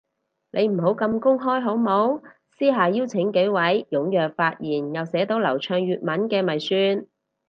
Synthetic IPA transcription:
nʔe˨˧jm̩˨˩ɦo˨˥wkɐ˧mkʊ˥ŋɦɔː˥jɦo˨˥wmo˨˥w | siː˥ɦaː˨jiː˥wt͡sʰɪ˨˥ŋke˨˧˥jwɐ˨˥jjʊ˨˥ŋjœː˨k̚faː˧t̚jiː˨˩njɐ˨wsɛː˨˥t̪o˨˥wlɐ̰˨˩wt͡ʃʰœː˧ŋjyː˨t̚mɐ˨˥nkɛː˧mɐ˨˩jsyː˧n

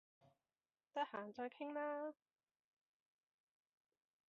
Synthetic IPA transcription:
t̪ɐ˥t̚haː˨˩nt͡sɔː˧jkʰɪ˥ŋlaː˥

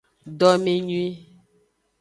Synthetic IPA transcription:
ɖɔ˦me˦ɲu˦i˦

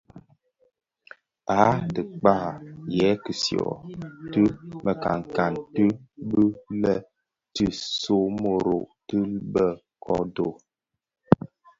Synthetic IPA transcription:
a˨˦tə˨k͡pa˦˨jɛ˨˦kɨ˨sjɔ̰˨tɨ˦mə˨ka̰˨ŋ˨ka˨ntɨ˦bɨ˦lɛ˨ | tɨ˦so˦mo˨ɾo˨ʔtɨ˦lbə˦˨ | kʰɔ̰˦do˨

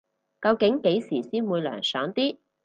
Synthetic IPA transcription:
kɐ˧wkɪ˨˥ŋke˨˥jsiː˨˩siː˥nmuː˨˧jlœ̰ː˨˩ŋsœː˨˥ŋt̪iː˥

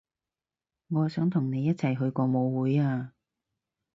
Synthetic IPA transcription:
ŋɔː˨˧sœː˨˥ŋt̪ʰʊ˨˩ŋne˨˧jːɐ˥t̚t͡sʰɐ˨˩jɦɵ˧ɥkɔː˧mo˨˧wwuː˨˥jaː˧

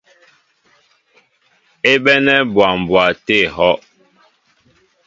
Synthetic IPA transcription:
e˦ɓɛ˦nɛ˦bwa˨m˨bwa˨te˦˨hɔ˦ʔ

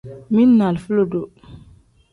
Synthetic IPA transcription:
mi˦nːa˨lfu˦lo˨do˨

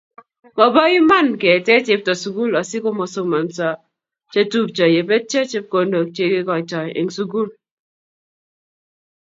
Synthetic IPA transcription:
mɔ˨ba˦i˦ma˦nke˨tɛ˦tɪ˦p̚tɔ˨su˨ɡu˦lɔ˨sɪ˦ko˦mɔ˨so˦ma˨nsa˨ | t͡ʃe˦tu˦p̚t͡ʃɔ˨je˨be˦d̚t͡ʃe˦t͡ʃe˦p̚ko˨˦ndo˨t͡ʃe˨ɡe˦kɔ˨t͡ʃɔ˨jḛ˨ŋsu˦ɡu˦l

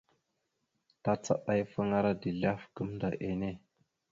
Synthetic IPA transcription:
ta˦t͡sa̰˦ʔa˦jfə˦ŋa˦ɾa˦di˨ɮa˦fɡə˦mda˨ʔe˨ne˦

